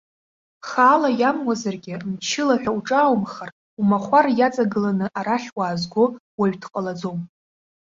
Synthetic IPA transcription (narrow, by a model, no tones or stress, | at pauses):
χaːlajamwazarɡʲɪmt͡ʃʰɪlaħᶣauʈ͡ʂʼaːwmχar | umaχʷarjat͡sʼaɡɨlanɨʔaɾaɬʲwaːzɡʷo̞waɥᶣtʰqʼalad͡zo̞m